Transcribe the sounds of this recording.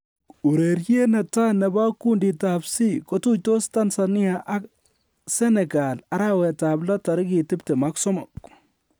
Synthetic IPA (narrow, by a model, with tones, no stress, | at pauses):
u˨ɾe˨ɾt͡ʃi˦e˦na˨ta˦nɛ˨ba˦ku˦ndi˨tabsi˦ko˦tu˦to˦sta˦nsa˨nɪ˦a˨ʔa˦k | sɛ˦nɛ˨ɡa˨la˦ɾa˦wɛ˨ta˨blɔ˦ta˨ɾɪ˦ki˨tɪ˦pte˨ma˨ksɔ˦mɔ˨k